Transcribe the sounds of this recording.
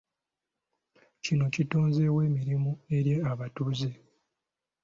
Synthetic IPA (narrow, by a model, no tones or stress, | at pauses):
cino̞cito̞ːnze̞we̞ːmiɾimue̞ɾje̞aβatuze̞